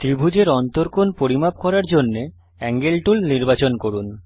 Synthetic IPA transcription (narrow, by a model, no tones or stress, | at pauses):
t̪ɾibʱud͡ʑeɾɔnt̪oɾkonpoɾimap̚kɔɾaɾd͡ʑonːe | ɛŋɡelʈulniɾbat͡ɕonkoɾun